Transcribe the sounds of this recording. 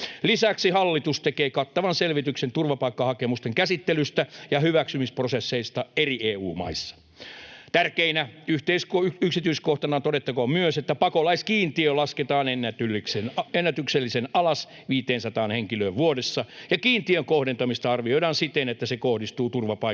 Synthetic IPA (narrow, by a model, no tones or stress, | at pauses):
lisæksihɑlːit̪ust̪ekeːkɑt̪ːɑʋɑnselʋit̪yksent̪urʋɑpɑikːɑhɑkemust̪eŋkæsit̪ːelyst̪æjɑhyʋæksymisprosesːeist̪ɑerieːuːmɑ̰isːɑ̥ | t̪ærkeinæyht̪eiskyksit̪yiskoht̪ɑnɑt̪oɾet̪ːɑkomyøset̪ːæpɑkolɑiskiːnt̪iølɑsket̪ɑːnenːæt̪ylːiksenenːæt̪ykselːisenɑlɑs | ʋiːt̪eːnsɑt̪ɑːnheŋkiløːʋʋuoɾesːɑjɑkiːnt̪iøŋkohdent̪ɑmist̪ɑɑrʋioidɑːnsit̪enet̪ːæsekohdist̪uːt̪urʋɑpɑ